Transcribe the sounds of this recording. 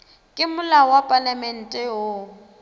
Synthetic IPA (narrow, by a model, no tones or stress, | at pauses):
kʼɪmʊlawapʼalamɛn̩tʼɛo